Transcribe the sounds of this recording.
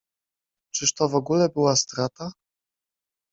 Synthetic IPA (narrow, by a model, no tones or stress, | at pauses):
t͡ʂɘʂt̪ɔvɔɡulɛbɘwast̪ɾat̪a